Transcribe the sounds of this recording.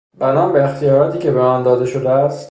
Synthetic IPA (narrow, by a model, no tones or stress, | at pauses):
b̥ænɒːmbeːxt̪ijɒːɾɒːt̪ʰiːcʲʰebeɒːnd̪ɒːd̪e̞ʃod̪eæst̪